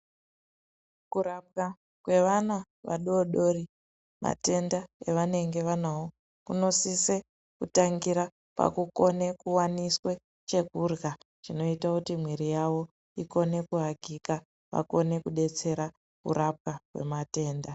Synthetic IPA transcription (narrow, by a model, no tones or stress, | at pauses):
kuɾap̚ka | kwe̞ʋana | ʋa̰ɗoɗo̞ri | ma̰te̞ndaeʋane̞ŋɡe̞ʋanawo | kuno̞sise | kutaŋɡiɾa | pa̰kuko̞ne̞kuwaniswe̞ | t͡ʃe̞kurɡa | ʐ̥ino̞itakutimwiɾijaʋo̞ | iko̞ne̞kuɦaɡʱika | ʋa̰ko̞ne̞kuɗe̞t͡se̞ɾa | kṵɾʔap̚kakwe̞̰mate̞ːnda